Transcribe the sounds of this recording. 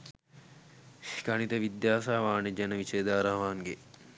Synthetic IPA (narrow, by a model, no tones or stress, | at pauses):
kɐnit̪əʋid̪jaːsaːʋaːned͡ʒɛnəʋiʃeːd̪aːɾaʋaːŋɡe